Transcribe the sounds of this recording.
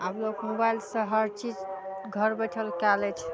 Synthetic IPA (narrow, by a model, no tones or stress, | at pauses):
ablokmobajlsə̃ɦəɾt͡ʃid͡ʒ | ɡʱəɾbəʈʰəlkalɛt͡ʃʰ